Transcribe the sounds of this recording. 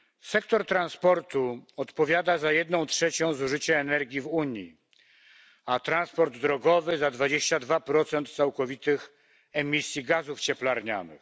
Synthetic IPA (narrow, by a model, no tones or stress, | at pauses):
sɛkt̪ɔɾt̪ɾanspɔɾt̪uɔt̪pɔvʲjad̪azajɛd̪nɔ̃w̃tʂɛt͡ɕɔ̃w̃zuʐɘt͡ɕɛːnɛɾɡʲjivuɲji | at̪ɾanspɔɾd̪ːɾɔɡɔvɘzad̪vad͡ʑeɕt͡ɕad̪vapɾɔt̪sɛnt̪t̪sawkɔvʲit̪ɘx | ɛmʲisʲjiɡazuft͡ɕɛplaɾɲa̰nɘ̰x